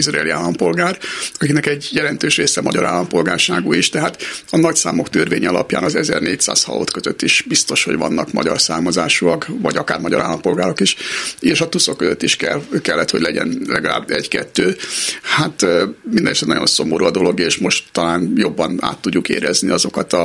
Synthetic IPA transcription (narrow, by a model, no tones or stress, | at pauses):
iʃraːliaːlːɒmpo̞lɡaːrɒkinɛkɛɟːjɛlɛnt̪øːʃreːsɛmɒɟɒɾa̰ːlːɒmpo̞lɡaːrʃaːɡuiʃt̪ɛɦaːt̪ɒnɒcsaːmo̞kt̪ørveːɲɛɒlɒ̰pja̰ːnɒzɛzɛrneːc̚t̪sa̰ːshɒ̰lo̰ːt̪køzøt̪ːiʃbist̪o̞ʃho̞̰ɟvɒnːɒkmɒ̰ɟɒrsaːmɒzaːʃuɒkvɒɟɒkaːrmɒɟɒɾʔaːlːɒmpo̞lɡaːɾo̞kiʃeːʃɒt̪uso̞kːøzøt̪ːiʃkɛ̰lkɛlːɛt̪hoɟʲlɛɟɛ̰nlɛɡɒla̰ːbɛɟkɛt̪ːøːhat̪mind̪ɛnsɛnɒɟjo̞̰nso̞moɾuɒd̪o̞lo̞ɡeːʃmo̞ʃt̪ːɒlaːnjo̞bːɒna̰ːt̪ːuɟːukḛːɾɛzniɒzo̞kɒt̪ɒ